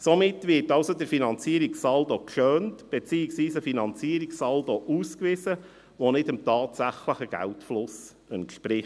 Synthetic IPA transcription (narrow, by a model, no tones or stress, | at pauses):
somɪtʋɪtɑʊsodəɾfinɑnt͡siəɾiksɑldokʃøːntb̥ɛt͡siːɪksʋiːsəfinɑnt͡siəɾiksɑldoʔuːskʋɪzə | ʋonɪdəmtɑːtsæχləχəɡ̥æ̰ltflʊs | əntʃpɾɪ